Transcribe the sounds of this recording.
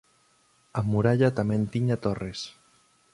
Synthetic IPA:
amuɾaʎat̪ament̪iɲat̪ores

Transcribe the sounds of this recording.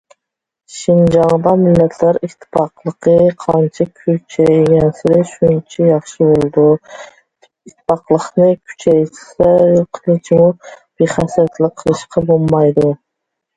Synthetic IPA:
ʃɪnd͡ʒɑŋd̪ɑmɪlːæt̪ʰlæɾɪt̪ʰːɪ̥pʰɑqlˠɨqɨqʰɑnt͡ʃʰakʲʰʊt͡ʃʰæjɡʲansɪɾɪʃʊnt͡ʃʰajɑχʃɪbolˠd̪ʊ | ɪt̪ʰːɪ̥pɑqlˠɨqnɪkʲʰʊ̥t͡ʃʰæjsaqʰɨlˠɪt͡ʃʰɪmʊb̥eχæsat̪lɪkqʰːɨlˠɨʃqʰɑbolˠmɑjd̪ʊ

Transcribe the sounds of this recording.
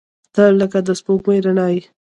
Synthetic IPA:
t̪ələkad̪əspokmejɾanɑji

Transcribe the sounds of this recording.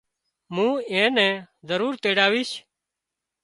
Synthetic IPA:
mũːẽːnɛ̃ː | zəɾuːɾt̪eːɽaːʋiːʃ

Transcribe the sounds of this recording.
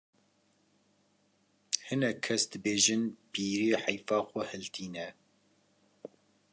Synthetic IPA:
hɨnɛkʰːɛsd̪ɨbeːʒɨnpiːɾiːħajfɑːxʷɔhɛlt̪ʰiːnɛ

